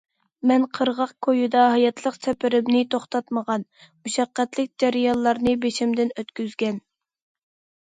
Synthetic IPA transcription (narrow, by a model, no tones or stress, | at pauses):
mɛnqʰəɾʁɑqkʰojud̪ɑɦɑjɑt̪ʰlˠəqsɛpʰɪɾɪmnɪt̪ʰoχt̪ʰɑt̪məʁɑnmuʃɑqːæt̪lɪk̚ʲd͡ʒɛɾijɑlˠːɑɾnɨbeʃɪmd̪ɪnøt̪kʲyzɡʲɛn